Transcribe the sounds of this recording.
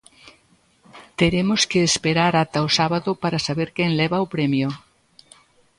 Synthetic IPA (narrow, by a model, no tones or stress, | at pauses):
t̪eɾemoskeːspeɾaɾat̪aosaβaðʊpaɾasaβeɾkɛŋlɛβaopɾɛmjo